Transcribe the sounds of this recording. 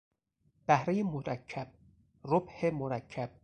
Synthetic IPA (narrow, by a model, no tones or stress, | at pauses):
b̥æhɾejemoɾæcʰːæb̥̚ | ɾobhemoɾæcʰːæb̥̚